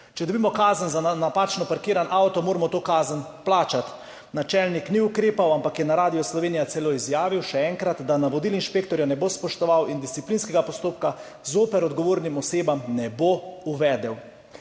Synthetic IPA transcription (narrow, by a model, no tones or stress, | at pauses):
t͡ʃɛd̪ɔbiːmɔkaːzənzanapaːt͡ʃnɔpaɾkiːɾanʔawt̪ɔmoːɾamɔt̪oːkaːzənplaːt͡ʃat̪ | nat͡ʃɛlnikniukɾeːpawampakjɛnaɾaːd̪ijɔslɔʋeːnijasɛloizjaːʋiwʃɛɛŋkɾat̪d̪anaʋɔd̪ilinʃpeːkt̪ɔɾjanɛbospɔʃt̪ɔʋawind̪isiplinskɛɡapɔst̪oːpka | zoːpɛɾɔd̪ɡɔʋoːɾnimɔseːbamnɛbouʋɛːd̪ɛw